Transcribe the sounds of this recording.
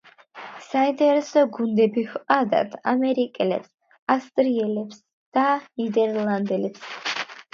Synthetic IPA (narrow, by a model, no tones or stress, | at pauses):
saint̪ʼɛɾɛsɔɡund̪ɛbihqʼad̪a̰t̪ʰamɛɾikʼɛlɛ̰ps | ast̪ʼɾiɛlɛps | d̪̥anid̪ɛɾlˠand̪ɛlɛps